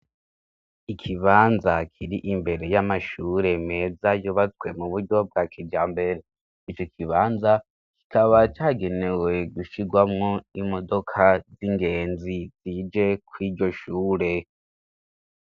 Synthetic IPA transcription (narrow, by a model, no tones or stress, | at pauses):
ikʰiβaːnzakʰiɾiʔimbe̞ɾe̞jamaʃuːɾe̞me̞ːzajuβat͡swe̞muβuɾɟo̞b̚ɡaːkʰibɟaːmbe̞ɾe̞ | it͡ʃo̞kʰiβaːnza | ki̥kʰaβat͡ʃaːɡe̞newwe̞ɡuʃiɡwamŋo̞imo̞do̞kʰaziŋɡe̞ːnziz̥iːd͡ʒe̞kwiːɟo̞ʃuːɾe̞